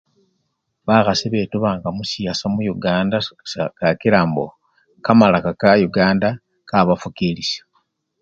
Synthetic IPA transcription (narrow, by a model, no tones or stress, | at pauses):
βaxasiβeːtuβaːŋɡamusiasamujuɡaːndaskakiɾaːmbo̰ | kamalakakajuɡaːnda | kaβafukiliso̥